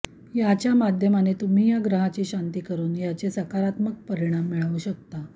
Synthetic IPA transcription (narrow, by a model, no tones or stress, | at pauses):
jat͡ɕjamad̪ʱjəmanet̪um̤iːjaɡɾəɦat͡ɕiːɕant̪iːkəɾuːnjat͡ɕesəkaɾat̪mək̚pəɾiɽ̃amːiɭaʋuɕək̚t̪a